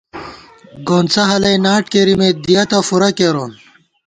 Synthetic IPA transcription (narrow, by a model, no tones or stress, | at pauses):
ɡoːnt͡sɐɦɐlɐjnaːʈkeɾimed̪ijɐt̪ɐfuɾɐkeɾoːn